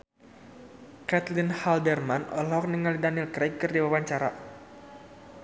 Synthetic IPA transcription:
kat̪linhaldɛrmanʔɔlɔk̚nəŋalidanilkɾaj̚kɨrdiwawaɲt͡ʃaɾa

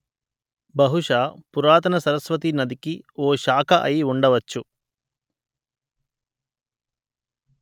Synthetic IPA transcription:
bɐɦuʂaːpuɾaːt̪ɐnɐsɐɾɐsʋɐt̪̬inɐd̪ikioːʃaːkʰɐʔɐjiuɳɖɐʋɐt͡ʃːu

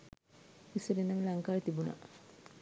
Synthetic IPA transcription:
iseɾinaŋlaŋkaːjt̪ibuna̰

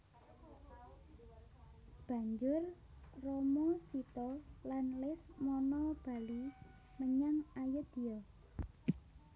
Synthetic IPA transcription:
b̥a̤ɲd͡ʒʊrrɔmɔsit̪ɔlanlɪsmɔnɔb̥a̤li | məɲaŋajəd̪̥i̤ɔ

